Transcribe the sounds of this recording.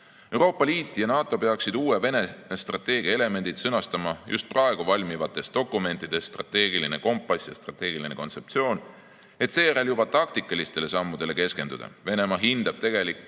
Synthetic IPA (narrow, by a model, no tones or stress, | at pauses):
e̞wɾo̞ːpːˑɑliːt̪ːˑjɑnɑːt̪ˑo̞pe̞ɑksid̪̥uːweve̞ne̞nest̪rɑt̪ːˑe̞ːɡ̥iɑe̞le̞me̞nd̪̥id̪sɤnɑst̪ɑmɑjʔṵst̪̚prɑe̞ɡ̥uvɑlʲmivɑt̪ːˑe̞st̪d̪o̞kːˑume̞nt̪ːˑid̪̥e̞sst̪rɑ̰t̪e̞ːɡiline̞ko̞mpːˑɑsjɑ̰st̪rɑ̰t̪ːˑe̞ːɡ̥iline̞ko̞nse̞pt̪sio̞ːn | e̞t̪se̞ːjæɾeljub̥ɑt̪ɑkt̪ikːˑɑlist̪e̞le̞sɑmːud̪̥e̞le̞ke̞ske̞nd̪ud̪ɑ̰ve̞ne̞mɑɦind̪̥ɑb̥̚t̪e̞ɡ̥e̞likːˑ